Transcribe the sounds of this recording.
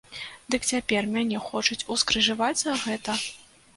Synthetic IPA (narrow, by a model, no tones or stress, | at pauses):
d̪ɨkt͡sʲapʲɛrmʲanʲɛxɔt͡ʂut͡sʲuskɾɨʐɨvad͡zʲzɐɣɛt̪ɐ